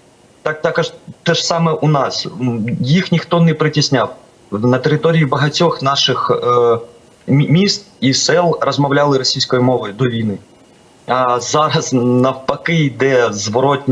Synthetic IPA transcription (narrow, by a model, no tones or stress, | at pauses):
t̪ɑk̚t̪ɑkɐʒt̪ɛʒsɑmɛʔunɑsjixnʲixt̪ɔnɛpɾɪtʲisʲnʲɑw | nɐt̪eɾɪt̪ɔɾʲijibɐɦɐtʲɔxnɑʃɪx | mʲist̪̚isɛlˠrɔzmɐwlʲɑlˠɪɾɔsʲijsʲkɔjimɔʋɔjʊd̪ɔʋʲijnɪ | ɐzɑɾɐsnɐwpɐkɪid̪ɛzʋɔɾɔtʲnʲ